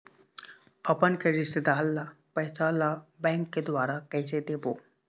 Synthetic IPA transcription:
əpənkəɾised̪alːapəɦsalabɛ̃ŋkːed̪ʋaɾakəjsed̪ebo

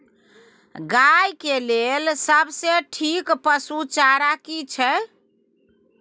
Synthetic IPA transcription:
ɡajkelelsəbseʈʰikpəsut͡ʃaɾakit͡ʃʰɛ

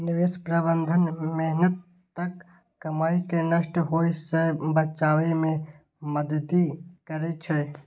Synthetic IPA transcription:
nɪʋeːspɾəbə̃nd̪ʱənmɛɦnət̪ː | ɐkː | ɐmaːikenəʃʈɦoːisebət͡ʃaːʋemẽ | məd̪əd̪ikɐɾet͡ʃʰe

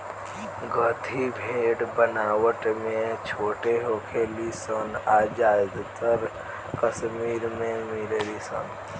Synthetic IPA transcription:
ɡʱət̪ʰibʱeɽbənawəʈmet͡ʃʰoʈeɦokʰelisənad͡ʒajd̪t̪əɾ | kəsmiɾmemiɾelisə̰n

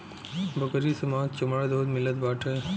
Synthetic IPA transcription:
bɐkəɾiːsɐmaːt̪̚t͡ɕɐmad̪oːd̪mɪləd̪̚baːʈʰə

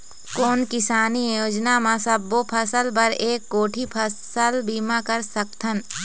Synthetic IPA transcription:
koːnkɪsaːnijoːd͡ʒnamãsəbːopʰɐsəlpɐɾeːkːoːʈʰipʰə | əlbiːmakɐɾsək̚t̪ʰən

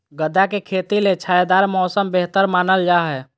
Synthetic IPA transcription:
ɡəd̪akekʰeːt̪ilet͡ʃʰaːjd̪aːɾmɔːsəmbeɦt̪əɾmaːnəld͡ʒaɦɛ

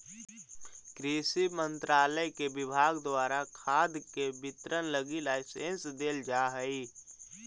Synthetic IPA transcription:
kɾiːsimə̃nt̪ɾaːləjkebɪbʱaːɡd̪waːɾakʰaːd̪kebɪt̪ɾənləɡilaːɪsẽnsd̪eːld͡ʒaːɦəi

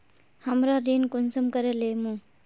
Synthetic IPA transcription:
həmɾaɾenkunsəmkəɾelemũ

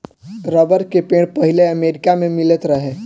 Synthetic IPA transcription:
ɾəbəɾkepẽɽpəɦileəmeɾikamemilet̪ɾəɦe

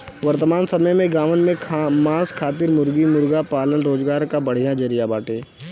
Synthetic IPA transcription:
ʋəɾt̪əmaːnsɐməjmẽɡaːʋənmẽmãːskʰaːt̪ɪɾmʊɾɡimʊɾɡapaːlənɾoːzɡaːɾkabɐɽ̤ijãd͡ʒəɾijabaːʈeː

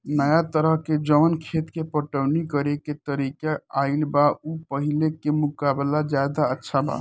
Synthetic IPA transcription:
nəjat̪əɾəɦked͡ʒəmənkʰet̪kepəʈəwnikəɾeket̪əɾikaailbaupəɦilekemukablad͡ʒjad̪aətːʃʰaba̰

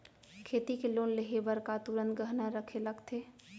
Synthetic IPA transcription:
kʰeːt̪ikeloːnleɦebəɾkat̪uɾənt̪ɡəɦnaɾəkʰeləɡt̪ʰe

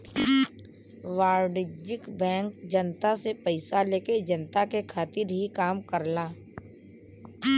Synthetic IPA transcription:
ʋaːɾɖɪd͡ʒɪkbɛ̃ːŋkd͡ʒənt̪asepəɪsaleːked͡ʒənt̪akekʰaːt̪ɪɾɦikaːmkəɾlaː

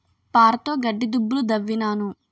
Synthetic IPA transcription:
paːɾɐt̪oːɡɐɖːid̪ubːulud̪ɐʋːinaːnu

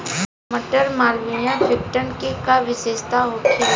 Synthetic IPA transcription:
məʈəɾmaːlʋijãfʰɪkʈənkikaʋɪʃeːʃt̪aɦoːt̪ʰi

